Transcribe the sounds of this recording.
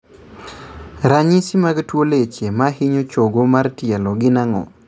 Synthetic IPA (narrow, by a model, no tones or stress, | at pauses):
ɾaɲisimaɡtwolet͡ʃemahɪɲot͡ʃoɡomartiɛlɔɡɪnaŋɔ̰